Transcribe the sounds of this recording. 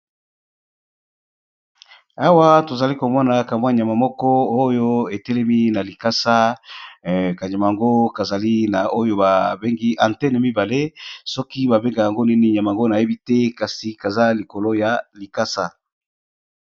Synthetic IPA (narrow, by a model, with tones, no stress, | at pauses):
a˦wa˦to˨za˨li˦ko˨mɔ˦na˨ka˨mwa˦ɲ˨a˨ma˨mɔ˦kɔ˦o˦jo˦e˨tɛ˦lɛ˦mi˦na˨li˨ka˦sa˦ | ka˨ɲa˨ma˨a˨ŋɡo˦ka˨za˨li˦na˨o˦jo˦ba˨be˦ŋɡi˦ʔa˨ntɛ˦ne˨mi˦ba˨le˦sɔ˦ki˦ba˨be˦ŋɡa˨ja˨ŋɡo˦ni˦ni˦˨ɲ˨a˨ma˨ɡo˦na˨je˦bi˦tɛ˦ka˨si˨ka˨za˦li˨ko˨lo˦ja˨li˨ka˦sa˦